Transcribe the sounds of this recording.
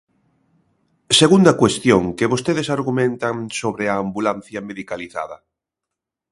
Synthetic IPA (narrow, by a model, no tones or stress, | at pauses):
seɣund̪ɐkwest̪joŋkeβost̪eðesaɾɣumẽnt̪aŋsoβɾeaːmbulan̟θjɐmeðikaliθa̰ðɐ